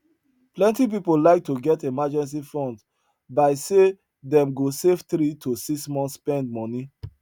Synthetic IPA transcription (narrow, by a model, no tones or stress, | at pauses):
plɛ̃ntip̬ipolaɪk̚tʰoɡɛtemad͡ʒɛ̃ns̬ifɔ̃nd | baɪse | dɛ̃mɡosevtɾitʰosiksmɔ̃nspɛ̃nd̚mɔni